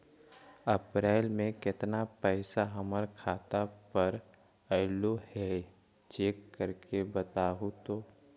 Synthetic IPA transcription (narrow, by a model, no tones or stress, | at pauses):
əpɾɛːlmẽkɪt̪napɛɪsaɦəməɾkʰaːt̪apəɾ | əɪlohɛ | t͡ʃeːkːəɾkʰebət̪aːɦut̪oː